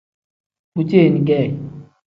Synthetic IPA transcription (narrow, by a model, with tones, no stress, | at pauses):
u˦t͡ʃe˦˨ni˨ɡɛ˦˨